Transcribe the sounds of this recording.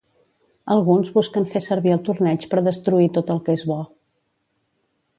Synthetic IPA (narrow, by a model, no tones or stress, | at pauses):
əlˠɣunzβuskənfesəɾβiəlˠt̪urnɛt͡ʃpəɾðəst̪ɾuit̪ot̪əlˠkezβɔ